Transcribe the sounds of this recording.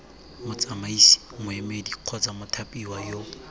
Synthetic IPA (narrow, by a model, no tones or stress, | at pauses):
mʊt͡sʼamaisi̥mʊemediq͡χʰɔt͡samʊtʰapʼiwajoː